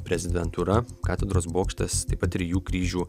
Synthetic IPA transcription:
pʲɾʲɛzʲɪd̪ʲɛnt̪uɾɐkɑːt̪ʲɛd̪ɾoːsboːkʃʲt̪ʲɐst̪ɐɪpɐt̪ʲːɾʲɪjuːkɾʲiːʒʲuː

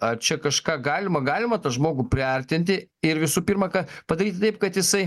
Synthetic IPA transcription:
ɐt͡ʃʲɛkɐʃkɑːɡɑːlʲɪmɐɡɑːlʲɪmɐt̪ɐʒmoːɡʊpʲɾʲɪɐɾʲt̪ʲɪnʲt̪ʲɪɪrʋʲɪsuːpʲiːrmɐkɐpɐd̪ɐɾʲiːt̪ʲt̪ɐɪp̚kɐt̪jɪsɐɪ

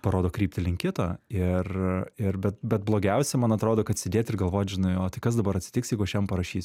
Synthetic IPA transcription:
pɐɾoːd̪oːkɾʲiːp̚ʲt̪ʲɪlʲɪŋʲkʲɪt̪oːɪrɪrbʲɛt̪̚bʲɛt̪̚blˠoːɡʲɛʊsʲɛmɐnɐt̪ɾoːd̪oːkɐt̪sʲɪdʲeːt̪ʲɪrɡɐlˠʋoːt̪ʲʒʲɪnɐɪoːt̪ɪkɐs̬d̪ɐbɐɾɐt̪ʲsʲɪ̥tʲɪksjɛɪɡʊɐʃʲjɛmpɐɾɐʃʲiːsʲ

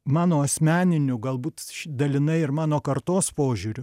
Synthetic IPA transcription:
mɑːnoːɐsʲmʲæːnʲɪnʲʊɡɐlˠbuːt̪ʃd̪ɐlʲɪnɐɪɪɾmɑːnoːkɐɾt̪oːspoːʒʲuːɾʲʊ

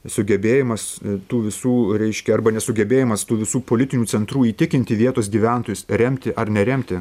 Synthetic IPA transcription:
sʊɡʲɛbʲeːjɪmɐst̪uːʋʲɪsuːɾʲɛɪʃʲkʲɛɐrbɐnʲɛsʊɡʲɛbʲeːjɪmɐst̪uːʋʲɪsuːpoːlʲɪt̪ʲɪnʲuːt͡s̪ʲɛnt̪ɾuːiːt̪ʲɪkʲɪnʲt̪ʲɪʋʲiɛt̪oːs̬ɡʲiːʋʲæˑnt̪oːjʊsɾʲɛmʲt̪ʲɪʔɐɾnʲɛɾʲɛmʲt̪ʲɪ

